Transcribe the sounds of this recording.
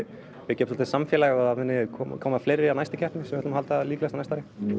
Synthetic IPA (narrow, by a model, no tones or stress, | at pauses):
vɪcɛːpsɔlt̪ɪsamfjɛːlaɣaaðavɪnːɪkʰɔmkʰoːwmaðfleːjɾɪanajst̪ɪcʰɛrt̪nɪsɛmvɛt̪ʏmhalt̪aliːklɛst̪anajst̪aɾjɪ